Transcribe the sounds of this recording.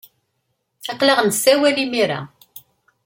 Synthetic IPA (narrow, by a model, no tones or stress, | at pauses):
θɑqləʁnsæwælimiɾa̰